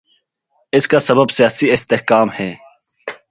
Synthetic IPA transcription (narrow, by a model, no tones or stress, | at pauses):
ɪskaːsəbəbsɪjaːsiɪst̪ehkaːmhɛː